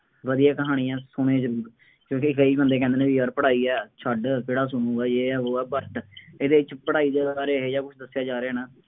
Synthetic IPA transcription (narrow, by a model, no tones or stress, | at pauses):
ʋəd̪ijaːkəɦaːɽ̃ĩːɛ̃ːsʊɽ̃ẽːd͡ʒəɾuːɾ | kjõːkikəiːbənd̪eːk̬ɛ̃nd̪enẽːʋiːəːɾpəɽaːiːɛːt͡ʃʰəɖkɪɽaːsʊnũːɡaːd͡ʒeːɛːʋoːɛːbəɾʈeːd̪eːɪt͡ʃpəɽaːiːd̪eːaːɾeːɦeːd͡ʒaːkʊt͡ʃʰd̪əsːjaːd͡ʒaːɾeɛːnãː